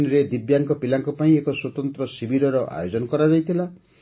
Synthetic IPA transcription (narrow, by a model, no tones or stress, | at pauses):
niɾed̪ibjaŋkɔpilaŋkɔpaĩekɔswɔt̪ɔnt̪ɾɔsibiɾɔɾɔʔa̰jod͡ʒɔnɔkɔɾad͡ʒajt̪ʰila